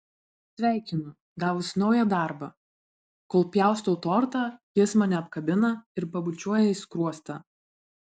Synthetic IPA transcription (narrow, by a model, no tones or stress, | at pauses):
sʲʋʲæˑɪkʲɪnʊ | ɡɑːʋʊsnɔʊjɛd̪ɑˑɾbɐ | koːlˠpʲjæˑʊst̪oʊt̪ɔːɾt̪ɑːjɪsmɑːnʲɛɐpkɐbʲɪnɐɪɾpɐbʊt͡ʃʲuɔjɛɪskɾuɔst̪ɐː